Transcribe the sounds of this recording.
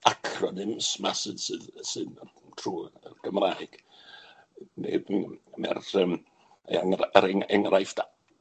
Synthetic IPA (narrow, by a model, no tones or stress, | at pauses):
akʰrɔnɨmsmasɨːðsɨːðsɨːn | tʰruːəɡ̥əmrajɡ̥ | nɛ̰bmɛ̰rəm | əɛŋraɾɛŋɛŋrajfd̥a